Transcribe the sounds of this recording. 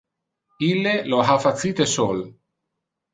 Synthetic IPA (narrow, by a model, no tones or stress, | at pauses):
ilːeloɦafat̪sit̪esol